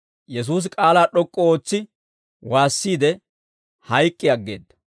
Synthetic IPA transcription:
jɛs̬uːs̬kʼaːlaːɗɔkʼːɔoːt͡sːɪ | waːsːiːd̪ɛ | hɐjkʼːɪjɐɡːe̞̰ːd̪ːɐ̥

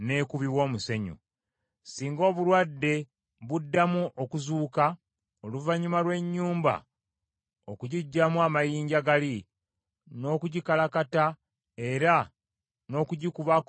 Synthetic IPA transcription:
ne̞kuβiwo̞ːmuse̞ɲṵ | siːŋɡo̞ːβulwadːe̞ | βudːamuʔokuzuːka | oluvaɲːumalwe̞ɲːuːmba̰ | okuɟiɟːamuamajiːɲɟaɡali | no̞ːkuɟikalakata | e̞ɾa | no̞ːkuɟikuβa

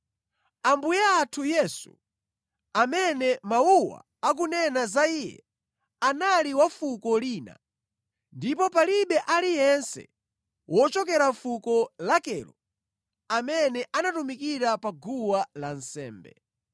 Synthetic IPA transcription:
ambujaːtʰujɛsṵ | amɛnɛmauwa̰ | ak̬unɛnazaijɛ̰ | analiwafukɔliːna̰ | ndipɔpaliɓɛʔalijɛnsɛ̰ | wʔɔt͡ʃɔkɛɾafukɔlakɛlɔ | amɛnɛʔanatumikiɾapaɡuwalan̩sɛ̰ːmbɛ̰

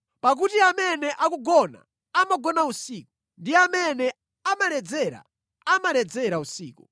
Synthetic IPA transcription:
pak̬utiamɛnɛʔakuɡɔna̰ | amaɡɔnausiːku | ndiamɛnɛ | amalɛd͡zɛɾa̰ | amalɛd͡zɛɾausḭːku

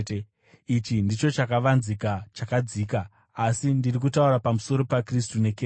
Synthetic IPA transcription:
it͡ʃindit͡ʃo̞t͡ʃakaʋanzikat͡ʃakad͡ziːka | asindirik̬utauɾapamuso̞ɾo̞pakristune̞ke

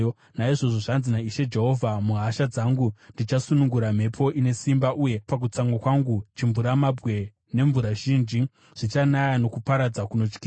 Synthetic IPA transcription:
naiʐo̞ʐoʐanzinaiʃe̞d͡ʒe̞ɦo̞vʱamuɦaʃad͡zaŋɡundit͡ʃasunuŋɡuɾam̤e̞pʰo̞ʔine̞simbaʔuje̞pak̬ut͡saŋɡwakwaŋɡut͡ʃiɱvuɾamabwe̞ | ne̞ɱvuɾaʒiːnd͡ʒi | ʐ̥it͡ʃanajano̞kupaɾad͡zakuno̞t͡ʃkiːa

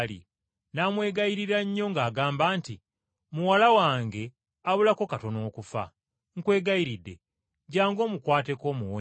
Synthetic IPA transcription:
lḭ | naːmwe̞ːɡajiɾiɾaɲːo̞ŋɡaːɡaːmbaːnti | muwalawaːŋɡe̞ | aβulakokato̞noːkufa̰ | ŋ̩kwe̞ːɡajiɾidːe | ɟaːŋɡo̞ːmukwaːte̞ko̞ːmuwo

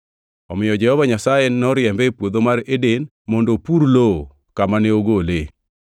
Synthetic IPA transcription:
ɔmɪjɔd͡ʒɛhɔvaɲasajenɔɾjɛmbɛpwod̪omaɾeden | mondopuɾlo | kamanɛoɡole

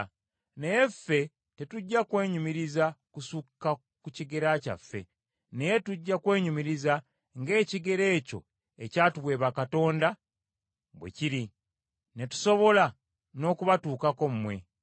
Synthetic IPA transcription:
ne̞je̞fːe̞ | te̞tuɟːakwe̞ːɲumiɾizakusukːa | kuciɡe̞ɾaːca̰fːe̞̰ | ne̞je̞tuɟːakwe̞ːɲumiɾiza | ŋɡe̞ːciɡe̞ɾe̞ːco̞̰ | e̞caːtuβwe̞ːβakato̞ːnda | βwḛciɾi | ne̞tu̥so̞βo̞la | no̞ːkuβatuːkako̞mmwe̞

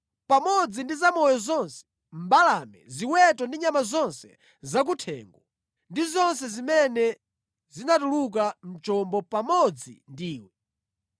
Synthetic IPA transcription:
pamɔd͡zindizamɔjɔzɔnsɛ̥ | m̩balamɛ̰ziwɛtɔndiɲamazɔnsɛ̰ | zak̬utʰɛ̰ːŋɡɔ | ndizɔnsɛzimɛnɛ | zinatuluk̬am̩t͡ʃɔmbɔpamɔd͡zḭndiːwɔ

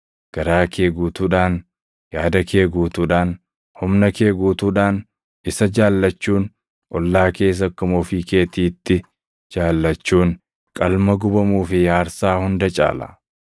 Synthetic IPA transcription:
ɡ̥ɐɾaːkʰe̞ːɡuːt̪uːᶑaːn | jaːd̪ɐkʰe̞ːɡuːt̪uːᶑaːn | hʊmnɐke̞ːɡuːt̪uːᶑaːn | ɪsɐd͡ʒaːlːɐt͡ʃːuːn | ʔɔlːaːke̞ːs̬ɐkːʊmɔfiːke̞ːt̪iːt̪ːɪ | d͡ʒaːlːɐt͡ʃːuːn | kʼɐlmɐɡʊbɐmuːfɪjaːɾsaːhʊnd̪ɐt͡ʃʼa̰ːlɐ̰

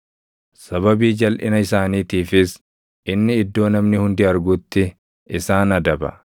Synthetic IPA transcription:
sɐβɐbiːd͡ʒɐlʔɪnɐɪsaːniːt̪iːfɪs | ʔɪnːɪɪd̪ːo̞ːnɐmnɪhʊnd̪ɪɐɾɡʊt̪ːɪ | ʔɪsaːnɐd̪ɐbɐ̰

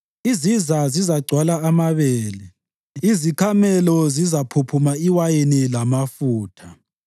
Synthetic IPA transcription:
izizazizaɡ͡ǀʱwalaːmaβɛːlɛ | izikʰamɛlɔzizapʰupʰumaiwajenilamafuːtʰa

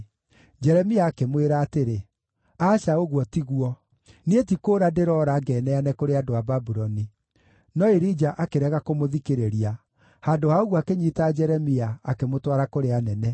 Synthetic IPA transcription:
d͡ʒɛɾɛmiaːkemweɾaːteɾe | aːʃaoɣwɔtiɣuɔ | nietikoːɾadeɾɔːɾaɡɛːnɛanɛkoɾeadoababuɾɔni | nɔeɾid͡ʒaʔakeɾɛɣakomoðikeɾeɾia | haːndohaoɣwakeɲitaːd͡ʒɛɾɛmiaːkemotwaɾakoɾeanɛnɛ

